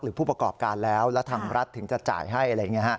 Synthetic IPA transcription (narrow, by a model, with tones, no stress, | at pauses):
k̚ɾɯː˩˦pʰuː˥˩pɾa˧kɔː˨˩p̚kaː˧nlɛː˦˥wlɛː˦˥wt̪ʰaː˧ŋɾa˦˥t̪ʰːɯ˩˦ŋt͡ɕa˨˩t͡ɕa̰ː˨˩jɦa˥˩jʔa˧ɾa˧jːa˨˩ŋi˦˥əhʰa˦˥˩